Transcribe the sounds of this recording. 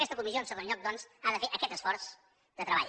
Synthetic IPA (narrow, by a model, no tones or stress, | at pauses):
ɛst̪əkumiszionsəɣõnʎɔk̚d̪ɔnzaðəfeʔəkɛt̪əsfɔɾs | d̪ət̪ɾəβa̰